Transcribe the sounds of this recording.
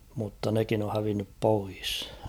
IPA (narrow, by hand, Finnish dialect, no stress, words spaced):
mutːɑ nekin o hæʋinːyp pois